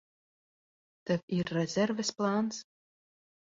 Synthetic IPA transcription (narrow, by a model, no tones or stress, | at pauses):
t̪ɨvʲirːɛzʲɛrvɨsplˠans